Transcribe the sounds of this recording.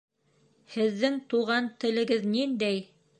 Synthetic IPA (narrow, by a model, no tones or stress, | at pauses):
hɘ̆ðːɘŋt̪uʁɑnt̪ɘ̆lɘ̆ɡɘðnind̪æj